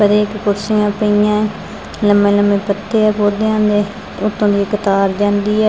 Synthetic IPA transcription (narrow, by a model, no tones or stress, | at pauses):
pəɾeːkkʊɾsɪjãːpəijãːɛ | ləmːẽːləmẽːpət̪ːeːɛːpoːd̪eãːnd̪eː | ʊt̪ːõːd̪iːkət̪aːɾd͡ʒãːnd̪iːɛː